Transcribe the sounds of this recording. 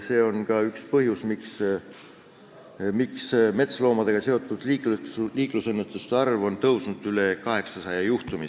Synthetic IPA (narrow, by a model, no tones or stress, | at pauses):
se̞ːo̞nkɑykspɤɦjusmiks | miksme̞t̪slo̞ːmɑd̪̥e̞ɡ̥ɑse̞o̞t̪ːˑud̪̥likluliːklusenːet̪ˑust̪eɑrvo̞nt̪ɤwsnud̪̥ylekɑɦe̞ksɑsɑjɑjuht̪umi